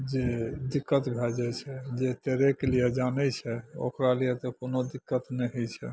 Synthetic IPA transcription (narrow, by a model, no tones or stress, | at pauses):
d͡ʒed̪ikːət̪bʱɛd͡ʒɛt͡ʃʰɛd͡ʒet̪eɾɛkelijed͡ʒanɛt͡ʃʰɛo̰kɾalijɛt̪ɔkonod̪ikːət̪nɛɦət͡ʃʰɛ̰